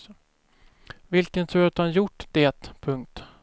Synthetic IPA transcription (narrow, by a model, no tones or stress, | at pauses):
vɪlkənt̪ʰʉːɾat̪hanjʊʈːd̪̥et̪pʰɵŋk̚t̪